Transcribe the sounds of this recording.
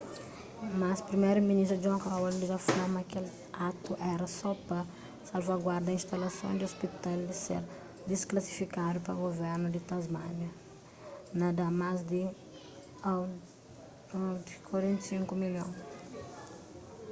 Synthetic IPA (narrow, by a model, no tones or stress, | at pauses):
maspɾimejɾuminist̪ɾud͡ʒõkawldizɐfamɐkel | at̪uʔɛɾɐsɔpɐ | salvaɡwaɾd̪ɐĩnst̪alɐsõ̰d̪iospit̪ald̪ɪsḛɾ | d̪isklɐsi̥fikad̪upɐɡovɛɾnud̪ɪt̪azmanɐ | nɐd̪amazd̪ɪ | a | d̪ikwaɾẽnt̪sĩŋkumiljõn